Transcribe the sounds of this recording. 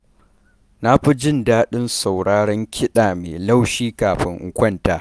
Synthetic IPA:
na˦ɸi˦d͡ʒɪ˦˨ndaː˦ɗɪ˦nsa˨wɽaː˦ɽɐ˦ŋkʲʰɪ˦ɗaː˨mḛː˨la˦wʃiː˦kaː˨ɸɪ˦ŋʔɪ̰˦kʷɐ˦ntaː˨˦

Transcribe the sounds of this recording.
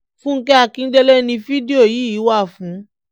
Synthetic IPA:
fũ˦ŋ̩˦kɛ˦a˧kĩ˦n̩˦dɛ˦lɛ˦nĩ˧fi˦di˦o˦˨ji˨˦i˨˦wa˦˨fũ˨˦

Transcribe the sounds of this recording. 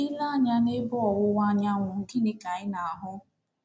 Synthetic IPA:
i˦la˦˨ɲa˦ne˦bɔ˦ɔ˨wʊ˦wa˦ɲa˦ŋʷʊ˨ŋ̩˨ɡɪ˦nɪ˦ka˨ɪ˦na˨a˨ɦʊ˦

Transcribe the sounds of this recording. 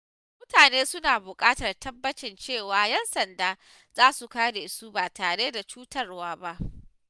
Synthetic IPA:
mʊ˦taː˨neː˦sʊ˦naː˨bʊ˨kʼaː˦tɐ˨rtʰɐ˦bːɐ˦t͡ʃɪ˨nt͡ʃeː˦˨waː˨jɛ˦nsɐ˨ndaː˨ | z̥aː˦su˨kaː˦de˨ɪ˨su˦baː˨taː˨ɽe˦da˨t͡ʃuː˦tɐ˦rwaː˦ba˦ʔ

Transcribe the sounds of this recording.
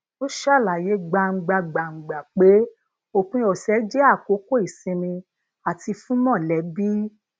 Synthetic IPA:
o˦ʃa˦˨la˨je˨˦ɡ͡ba˧˨ŋ͡m̩˧ɡ͡ba˧ɡ͡ba˨ŋ͡m̩˨ɡ͡ba˨k͡pe˨˦ | o˨k͡pũ˧˦ɔ˨sɛ˨˦d͡ʒɛ˦a˦˨ko˨˦ko˦i˨sĩ˧mĩ˧ | a˨ti˧fũ˦mɔ̃˦˨lɛ˨˦bi˦

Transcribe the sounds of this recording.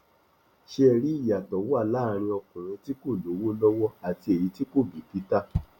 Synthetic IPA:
ʃe˦ɛ˧ɾi˦i˦˨ja˨tɔ˨˦wo˦a˦˨laː˦˨˧ɾ̃ĩ˧ɔ˧kũ˨ɾ̃ĩ˧ti˦ko˦˨lo˨˦wo˦lɔ˦wɔ˦a˨ti˧e˨ɾi˨˧ti˦ko˦˨bi˨pi˨˦ta˦˨

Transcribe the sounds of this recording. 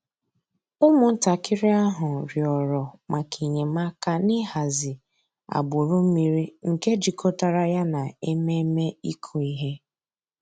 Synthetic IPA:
ʊ˦mʊ˨n̩˦ta˨kʰɪ˦ɾɪ˦a˦ɦʊ˨ɾjɔ˨ɾɔ˨ma˨kʰi˨ɲe˨ma˦ka˦nɪ˦ha˨zɪ˨ | a̰˨bʊ˨ɾʊ˦m̩˦mi˨ɾi˦ŋ̩˨ke˦d͡ʒi˨kʰo˦ta˨ɾa˦ja˦na˨e˦me˦me˦i˦kʰu˨i˦ɦe˦

